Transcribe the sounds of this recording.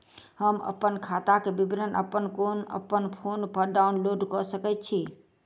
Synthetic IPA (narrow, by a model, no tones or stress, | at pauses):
həmə̰pːənkʰat̪akebibinənʔə̰pːənkonə̰pːənpʰonpəɾɖaunloɖkɔsəkɛt̪̚t͡ʃʰi